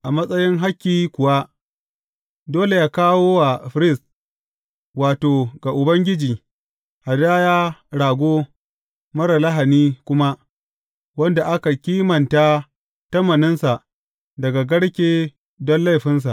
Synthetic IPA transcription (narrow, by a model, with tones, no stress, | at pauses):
ʔa˨mɐ˦sʼɐ˦jɪ˦ŋɦa˦kʲːiː˨kʷʊ˨wa˦ʔ | doː˦le˨jaː˦kaː˦woː˦wa˨ɸɪ˨˦ɾɪ˦˨s | waː˨toː˨ɡa˨ʔʊ˨bɐ˦ŋɡʲɪ˦d͡ʒiː˨ | ha˨daː˦jaː˦ɽaː˨ɡʷoː˦ | mɐ˦ɾa˨la˦ɦa˨niː˦kʷʊ˦ma˦ | wɐ˦nda˨ʔa˦ka˨kʲiː˦mɐ˨nta˦ | tɐ˦mːɐ˨nɪ˦nsa˨ʔ | dɐ˨ɡa˨ɡɐ˦ɽkʲeː˦ | dɔ˦nla˦jɸɪ˦ns̬a˨ʔ